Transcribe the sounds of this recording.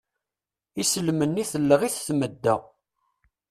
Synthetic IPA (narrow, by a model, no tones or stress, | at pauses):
isəlmənːiθəlːəʁiθθməd̪ːæ